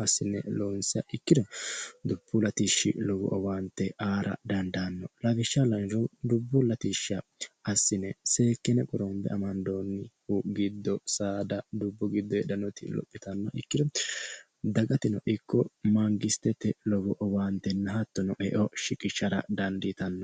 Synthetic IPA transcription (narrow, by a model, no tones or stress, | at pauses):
ɐsːɪnːɛ̰loːnsɪɐʔɪkːɪd̪ɔd̪ʊb̥ːʊlɐt̪iːʃːɪ̰lɔɡɔ̰ʔɔwaːnt̪ːɛʔaːɾɐ̰d̪ɐnd̪anːɔlɐvɪʃːɐlɐɾd̪ʊbːʊlɐt̪iʃɐɐsːɪnːɛse̞ːkːɛnɛkʼɔɾɔmbɛ̰ɐmɐnd̪oːnːɪhuɡɪd̪ːɔsaːd̪ɐd̪ʊbːɔɡɪd̪ːɔjɛdɐnɔt̪ɪ̰lɔ̰pʼːɪt̪ɐnːɐʔɪ̰kːɪd̪ɔ | d̪ɐɡɐt̪ɪnɔʔɪkːɔmɐŋɡɪst̪ɛt̪ːɛlɔɡɔʔɔwaːnt̪ːɛnːɐɦɐt̪ːɔnɔʔɛʔɔʃɪkʼɪʃːɐɾɐ̰d̪ɐnd̪it̪ɐnːɔ